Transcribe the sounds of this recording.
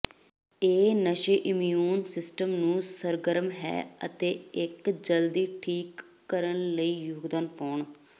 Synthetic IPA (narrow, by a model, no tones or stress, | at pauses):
eːnəʃeːʔɪmjijuːnsɪsʈəmnũːsəɾɡəɾmɦɛ̰ːət̪eːɪkd͡ʒəld̪iːʈʰiːkː | əɾənləiːjoːɡd̪aːnpaːɳ